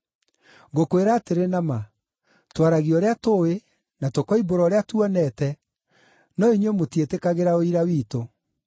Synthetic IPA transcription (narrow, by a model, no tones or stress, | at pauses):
ɡokoeɾaːteɾenama | twaɾaɣiɔɾeatoe | natokɔiboɾɔɾeatwɔnɛtɛ | nɔiɲemotietekaɣeɾaoiɾawiːto